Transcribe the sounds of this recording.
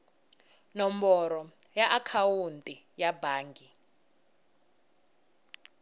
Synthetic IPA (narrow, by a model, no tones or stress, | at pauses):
nɔmbɔɾɔjaʔakʰawuntʼi | jabaːŋɡi